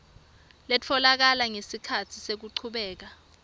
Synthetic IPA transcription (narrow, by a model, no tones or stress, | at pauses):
let͡fʰɔlak̬alaŋesikʰatʰisek̬uǀʰuɓɛːk̬a